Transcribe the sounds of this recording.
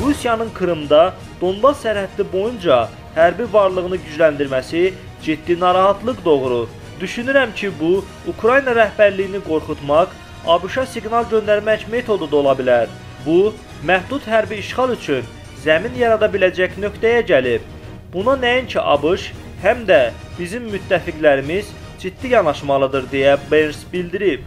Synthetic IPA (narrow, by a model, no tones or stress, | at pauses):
ɾusijɑnɯnkʰɯɾɯmd̪ɑ | d̪̥o̞nbɑsːæɾhæd̪libo̞jund͡ʒɑ | hæɾbivɑɾlˠɯʁɯnɯɟyd͡ʒlænd̪iɾmæsi | d͡ʒid̪ːinɑɾɑɦɑt̪lˠɯqd̪o̞ɣɾu | d̪̥yʃynyɾæmcʰibu | ukʰɾɑjinɑɾæhbæɾlijiniɡo̞ɾχut̪mɑq | ɑbɯʃɑsiɡnɑlˠɟø̞nd̪æɾmæcme̞t̪ʰo̞d̪ud̪o̞lˠɑbilæɾ | bu | mæhd̪ut̪ɦæɾbiːʃχɑlˠyt͡ʃʰyn | zæminjɑɾɑd̪ɑbilæd͡ʒæcnø̞kt̪æjæɟælip | bunɑnæjincʰiʔɑ̰bɯʃ | hæmd̪æb̥izimːyt̪ʰːæfiɡlæɾimiz | d͡ʒid̪ːijɑnɑʃmɑlˠɯd̪ɯɾd̪ejæbensbild̪iɾip